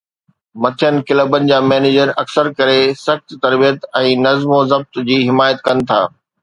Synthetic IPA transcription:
mɐt̪ʰijənɪ̆kɪləːbənɪ̆d͡ʑaːmɛːneːd͡ʑəɾɐksəɾkɐɾesɐxt̪t̪ɐɾbijət̪ɛ̃ːnɐzmozɐb̚t̪d͡ʑiːɦɪmaːjət̪kɐnɪ̆t̪ʰa̰ː

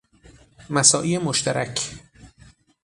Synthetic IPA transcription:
mæsɒːʔiːemoʃt̪ʰæɾʔæcʰ

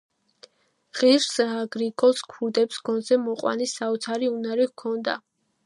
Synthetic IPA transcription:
ʁiɾsaɡɾikʼɔskʰuɾd̪ɛpsɡ̥ɔnzɛmɔqʼwa̰nisaɔt̪sʰaɾiunaɾikʰɔnd̪a̰

